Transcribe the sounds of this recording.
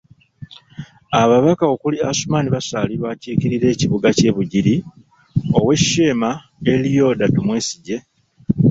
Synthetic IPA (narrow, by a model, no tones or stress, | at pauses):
aβaβakaokuliasumaːniβasaliβaːciːciɾiɾe̞ːciβuɡace̞ːβuɟiɾi | o̞we̞̥ʃeːma | e̞lijo̞datumwe̞ːsiɟe̞